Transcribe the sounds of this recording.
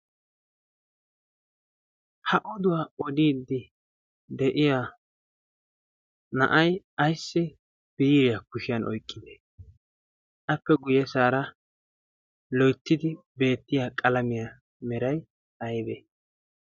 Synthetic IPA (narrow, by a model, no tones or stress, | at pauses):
hɐʔɔd̪ʊwaːɔd̪iːd̪ːɪ | d̪ɛʔɪja | nɐ̰ʔɐj | ɐjsːɪ | b̥iːɾɪjakʊʃɪjɐnʔɔjkʼːɪd̪e | ʔɐpːɛɡʊjɛsaːɾɐ | lɔjt̪ːɪd̪ɪ | be̞ːt̪ːɪjaːkʼɐlɐmɪja | mɛɾɐj | ɐjbeː